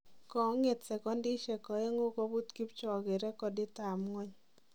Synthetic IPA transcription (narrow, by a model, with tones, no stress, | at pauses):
kɔ˨˦ŋe˨tsɛ˨kɔ˦ndi˦ʃɛ˨kɔ˨e˦ŋo˦kɔ˦bu˦t̪ki˦pt͡ʃɔ˨ɡe˨ɾɛ˦kɔ˨dɪ˦ta˨mŋɔ˦ɲ